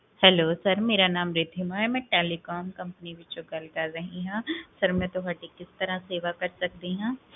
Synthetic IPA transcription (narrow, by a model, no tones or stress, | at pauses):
hɛloːsɐɾmeːɾanaːmɾɪd̪ʱɪmaɦɛmɛ̃ːʈeːlikɔːmkɐ̃mpənibʱit͡ʃʊɡɐlkaɾɐɦĩɦãːsɐɾmɛ̃ːt̪oɦaːʈikɪst̪ɐɾãseːʋakɐɾsɐk̚d̪iɦãː